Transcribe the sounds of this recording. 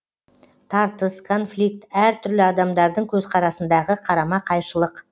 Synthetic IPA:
t̪ʰɑɾt̪əskʰo̞nflʲik̚t̪æɾt̪ʰʏɾlɪɑd̪ɑmd̪ɑɾd̪əɴkʲʰɵzqʰɑɾɑsənd̪ɑʁəqʰɑɾɑmɑqʰɑjʃəlˠəq

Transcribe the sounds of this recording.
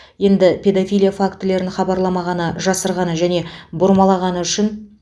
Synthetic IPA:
je̞nd̪ɪpʲʰe̞d̪afʲijlʲijafakt̪ɪle̞ɾɪnχɑbɑɾlˠɑmɑʁɑnəʒɑsəɾʁɑnəʒæne̞bʊɾmɑlˠɑʁɑnəʏʃɪn

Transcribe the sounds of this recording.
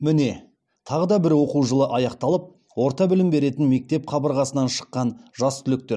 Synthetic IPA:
mɪne̞ | t̪ʰɑʁəd̪ɑbɪɾwo̞quwʒəlˠəʔɑjɑqt̪ɑlˠəp̚ | wo̞ɾt̪ɑbɪlɪmbe̞ɾe̞t̪ɪnme̞k̚t̪e̞pχʰɑbəɾʁɑsənɑnʃə̥qːɑnʒɑst̪ʰʏlɪk̚t̪e̞ɾ

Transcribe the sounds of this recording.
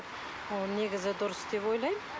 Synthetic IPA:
ne̞ɡʲɪzɪd̪ʊɾʊsd̪e̞po̞jlˠɑjm

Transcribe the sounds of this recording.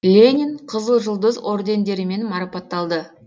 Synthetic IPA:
lʲe̞nʲiɴqʰəzəlˠʒəlˠd̪əzo̞ɾd̪ʲe̞nd̪e̞ɾɪme̞nmɑɾɑpɑt̪ːɑlˠd̪ə

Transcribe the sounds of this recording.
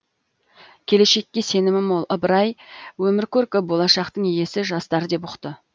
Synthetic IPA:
kʲʰe̞le̞ʃe̞kʲːe̞se̞nɪmɪmolˠʔəbəɾɑjwɵmɪɾkʲʰɵɾkʲɪbo̞lˠɑʃɑqt̪əɴeje̞sɪʒɑst̪ɑɾəd̪e̞pʊqt̪ə

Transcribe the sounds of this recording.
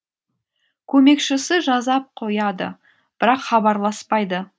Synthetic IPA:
kʲʰɵme̞kʃɪsɪʒɑzɑp̚qʰo̞jɑd̪ə̰ | b̥ɪɾɑqχɑbɑɾlˠɑspɑjd̪ə

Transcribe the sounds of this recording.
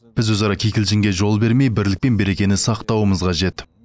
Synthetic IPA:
b̥ɪzwɵzɑɾɑkʲʰejkʲɪlʒɪŋɡʲe̞ʒo̞lˠbe̞ɾme̞jbɪɾlɪk̚pe̞nbe̞ɾe̞kʲe̞nɪnsɑqt̪ɑwəməzqʰɑʒe̞t̪

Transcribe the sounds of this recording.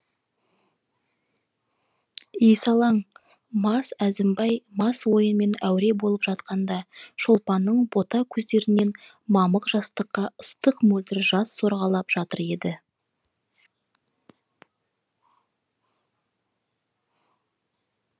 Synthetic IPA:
ijsɑlˠɑɴ | mɑsæzɪmbɑjmɑswo̞jənme̞næwɾe̞bo̞lˠəpʒɑt̪̚qɑnd̪ɑʃolˠpɑnːəɴbo̞t̪ɑkʲʰɵzd̪e̞ɾɪne̞n | mɑməqʒɑst̪əqːɑəst̪əqmɵlt̪ɪɾʒɑsːo̞ɾʁɑlˠɑpʒ̥ɑt̪əɾe̞d̪ɪ

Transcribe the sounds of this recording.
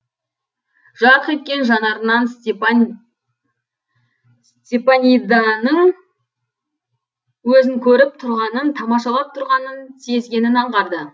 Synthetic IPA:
ʒ̥ɑɾəqet̪̚kʲe̞nʒɑnɑɾənɑn | st̪ʲepanʲid̪ɑnəɴ | wɵzɪŋkʲʰɵɾɪp̚t̪ʰʊɾʁɑnənt̪ʰɑmɑʃɑlˠɑp̚t̪ʰʊɾʁɑnənsezɡʲe̞nɪnɑɴʁɑɾd̪ə

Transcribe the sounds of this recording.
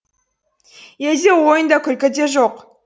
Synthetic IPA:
ed̪ewo̞jənd̪ɑkʲʰʏlkʲɪd̪e̞ʒoq

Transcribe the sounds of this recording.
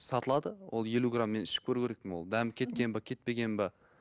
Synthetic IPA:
sɑt̪əlˠɑd̪əwʔo̞̰lˠje̞luɡramːe̞nɪʃɪ̥p̚kʲʰɵɾukʲʰee̞k̚pɪnwo̞lˠd̪æmkʲʰe̞t̪̚kʲe̞nbɑkʲʰe̞t̪̚pe̞ɡʲe̞nbɑ

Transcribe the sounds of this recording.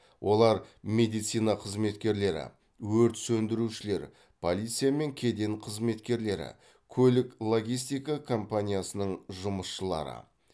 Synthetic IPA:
wʔo̞lˠɑɾmʲe̞d̪ijt̪sijnɑqʰəzme̞t̪kʲe̞ɾle̞ɾɪ̰ | wɵɾt̪sɵnd̪ɪɾuʃɪle̞ɾ | pʰo̞lʲijt̪sɨjame̞ŋkʲʰe̞d̪e̞ɴqʰəzme̞t̪kʲe̞ɾle̞ɾɪ̰ | kʲʰɵlɪklˠo̞ɡʲijs̬t̪ijkakʰo̞mpanʲijasənəɴʒʊməsʃəlˠɑ̰ɾə̰

